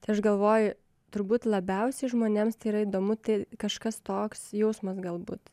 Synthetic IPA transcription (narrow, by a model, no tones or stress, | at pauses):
t̪ɐɪɐʃɡɐlˠʋoːjʊ | t̪ʊɾbuːt̪lˠɐbʲɛʊsʲɛɪʒmoːnʲeːmst̪ɐɪiɾɐiːd̪oːmʊt̪ɐɪkɐʃkɐst̪oːksjɛʊsmɐsɡɐlˠbṵːt̪